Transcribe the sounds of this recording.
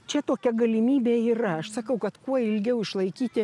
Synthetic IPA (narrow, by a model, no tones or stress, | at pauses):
t͡ʃʲɛt̪oːkʲɛɡɐlʲɪmʲiːbʲeːiːrɐɐʃsɐkɐʊkɐt̪kuɔɪlʲɡʲɛʊɪʃlˠɐɪkʲiːt̪ʲɪ